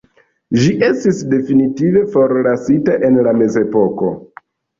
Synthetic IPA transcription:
ʒiʔe̞stisde̞finitive̞fo̞ɾlasitaʔe̞nlame̞ze̞po̞ko̞̰

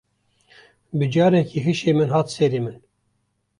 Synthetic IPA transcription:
bɨd͡ʒɑːɾɛkʰiːɦɨʃeːmɨnɦɑːt̪seːɾeːmɨn

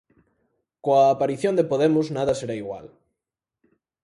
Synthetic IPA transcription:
koaːpaɾiθjond̪epoðemoznaðaseɾaiɣwa̰l

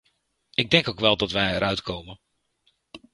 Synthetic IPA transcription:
ʔɪɡ̚dɛŋkowkʋɛlˠdɔtʋɛjəɾœɥtkʰoːmən

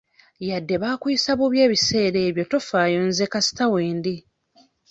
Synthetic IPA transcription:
jadːe̞βaːkujisaβuβje̞ːβise̞ːɾeːβjo̞to̞faːjo̞nzekasi̥taweːndi

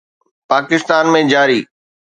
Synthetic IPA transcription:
paːkɪst̪aːnmẽd͡ʑaːɾiː

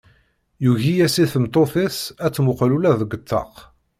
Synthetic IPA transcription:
juʝijæsiθəmt̪ˤoθɪsæt͡sːmʊqlulæðəɡʷət̪ʰːɑ̰q

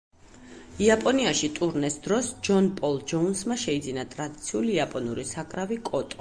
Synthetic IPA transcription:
iapʼɔniaʃit̪ʼuɾnɛsd̪ɾɔsd͡ʒɔnpʼɔlˠd͡ʒɔunsmaʃɛid̪zinat̪ʼɾad̪it̪sʰiuliapʼɔnuɾisakʼɾavikʼɔt̪ʼɔ

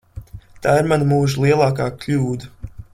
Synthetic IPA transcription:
t̪aːiɾmanamuːʒulˠiɛlˠaːkaːklʲuːd̪a

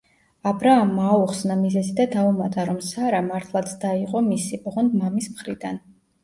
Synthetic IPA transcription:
abɾaːmːaːuχsnamizɛzid̪ad̪aumat̪ʼaɾɔmsaɾamaɾt̪ʰlˠat̪sʰd̪aiqʼɔmisibʁɔnd̪mamismχɾid̪an

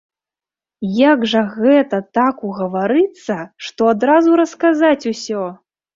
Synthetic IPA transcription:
jaɡʐɐɣɛt̪ɐt̪akuɣɐvaɾɨt̪sːɐʂt̪ɔad̪ɾazuɾɐskazat͡sʲusʲɔ

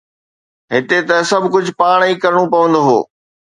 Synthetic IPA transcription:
ɦɪt̪et̪ɐsɐbʱkʊd͡ʑʱʊpaːɽ̃iːkɐɾɪɽ̃opɐʋə̃nd̪oːɦo̰ː

